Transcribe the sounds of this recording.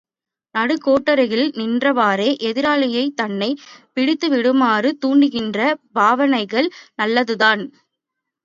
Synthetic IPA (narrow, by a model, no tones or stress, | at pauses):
nɐɽɯkoːʈːɐɾɐɪɣɪlnɪndrɐʋaːɾeːʔɛðɪɾaːɭɐjɐɪt̪ɐnːɐɪpɪɽɪt̪ːɯʋɪɽɯmaːrɯt̪uːɳɖɯɣɪndrɐbʱaːʋɐnɐɪɣɐɭnɐlːɐðɯðaːn